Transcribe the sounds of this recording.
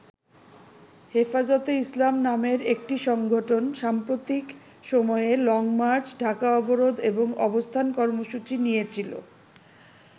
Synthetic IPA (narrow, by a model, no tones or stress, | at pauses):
hefazot̪eislamnameɾek̚ʈiʃɔŋɡʱoʈonʃampɾot̪ik | ʃɔmɔeelɔŋmaɾt͡ɕɖʱakaɔboɾod̪eboŋɔbost̪ʰankɔɾmoʃut͡ɕinijet͡ɕʰilo̰